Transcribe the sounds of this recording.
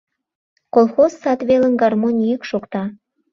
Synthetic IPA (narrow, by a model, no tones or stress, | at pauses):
kolˠxozːɑt̪βelə̆nɡɑrmonʲijəkʃokt̪ɑ